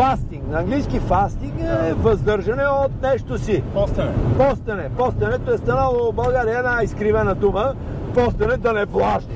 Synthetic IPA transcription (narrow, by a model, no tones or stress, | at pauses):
fast̪iŋɡnɐɐŋɡliskifast̪iŋkɛvɐzd̪ɤɾʒɐnɛot̪̚nɛʃt̪osit̪pɔst̪ɐnɛpɔst̪ɐnɛt̪oɛst̪ɐnaobɐlˠɡaɾiəɛnaiskɾivɛnəd̪umə | pɔst̪ɐnɛd̪ɐnɛplˠaʃɛ